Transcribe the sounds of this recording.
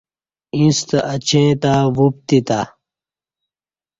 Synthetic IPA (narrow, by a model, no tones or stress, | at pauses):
ĩst̪ɐʔɐt͡ɕʰẽːt̪aːwup̚t̪it̪a